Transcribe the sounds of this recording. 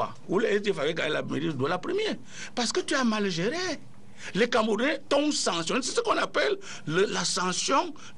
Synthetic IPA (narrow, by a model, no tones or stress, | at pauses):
a̰ | ulɛsdefavɛɡa̰jela̰mḛɾiddualapɾəmje | pasə̥kət̪yamalʒeɾe | lekãmbuɾɛ̃t̪ɔ̃sãŋsjɔ̃nse̥səkɔ̃napɛlː | əlasãsjɔ̃